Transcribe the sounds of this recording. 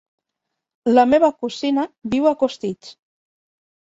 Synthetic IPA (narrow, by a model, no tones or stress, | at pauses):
ləmeβəkuzinəβiwakust̪it͡s